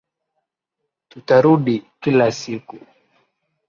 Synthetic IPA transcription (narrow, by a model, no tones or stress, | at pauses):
tutaɾuɗikilasiku